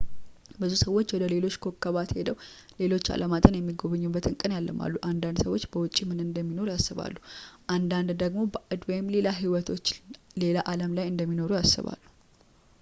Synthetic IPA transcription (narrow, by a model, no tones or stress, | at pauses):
bəzusəwːo̞t͡ʃːwɔd̪əle̞lo̞t͡ʃːkʰo̞kʰːəβat̪hed̪əw | le̞lo̞t͡ʃːa̰lʔəmat̪ʼənjɛmːiɡo̞βəɲːubːət̪ɨnkʼɨnjalːə̰ma̰lːuʔand̪and̪səwo̞t͡ʃːbəwʊt͡ʃʼimɨnɨnd̪əmːino̞ɾujasːɨβa̰lːuʔand̪and̪d̪əɡmo̞bəʔɨd̪ojɪmle̞laɦiwɔt̪ʰo̞t͡ʃːle̞laʔaləmlajɨnd̪əmːino̞ɾujasːɨ̰βa̰lːu̥